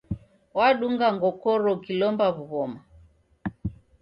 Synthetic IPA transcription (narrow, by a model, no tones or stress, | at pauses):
waɗuŋɡaŋɡɔkɔɾɔkilɔmbaβuɣɔma